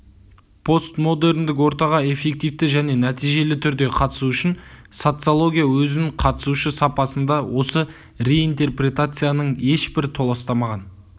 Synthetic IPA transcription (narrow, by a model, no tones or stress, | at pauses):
pʰo̞st̪mo̞d̪e̞ɾnd̪ɪk̬wo̞ɾt̪ɑʁɑe̞fe̞k̚t̪ijft̪ɪʒæne̞næt̪ijʒe̞lɪt̪ʰʏɾd̪e̞qʰɑt̪ə̥suʏʃɪnso̞t̪sɨolˠo̞ɡʲijawɵzɪnɪɴqʰɑt̪ə̥suʃəsɑpɑsənd̪ɑwʔo̞sə | re̞int̪e̞rprʲe̞t̪at̪sɨjanəɴe̞ʃbɪɾɪt̪ʰo̞lˠɑst̪ɑmɑʁɑn